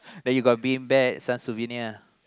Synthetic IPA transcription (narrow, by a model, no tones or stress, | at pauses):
dɛ̃njuɡɔt̚biĩŋbɛksãnsuvinia